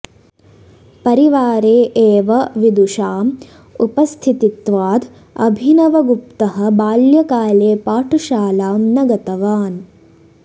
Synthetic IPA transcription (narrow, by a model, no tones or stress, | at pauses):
pɐɾiʋaːɾeːʔeːʋɐʋid̪uʃaːm | upɐst̪ʰit̪it̪ʋaːd̪ʱ | ɐ̰bʱinɐʋɐɡup̚t̪ɐɦɐ̆baːljɐkaːleːpaːʈʰuʃaːlaːmnɐɡɐt̪ɐʋaːn